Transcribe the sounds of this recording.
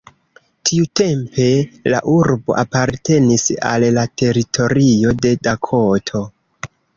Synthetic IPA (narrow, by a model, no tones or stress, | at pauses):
tʰiute̞mpe̞la̰ʔuɾbo̞̰ʔapaɾte̞nisa̰lːatʰe̞ɾitʰo̞ɾio̞de̞dakʰotʰo̞